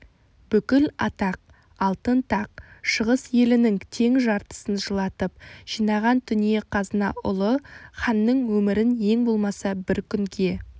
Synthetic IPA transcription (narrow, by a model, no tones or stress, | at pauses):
b̥ʏkʲɪlɑt̪ɑq̚ | ɑlˠt̪ənt̪ʰɑqʃəʁəsje̞lɪnɪŋt̪ʰe̞ŋʒɑɾt̪ə̥sənʒəlˠɑt̪əp̚ʒ̥ijnɑʁɑnt̪ʰʏnije̞qʰɑzənɑʔʊ̰lˠəχɑnːəɴwɵmɪɾɪnje̞ŋbo̞lˠmɑsɑbɪɾkʲʰʏŋɡʲe̞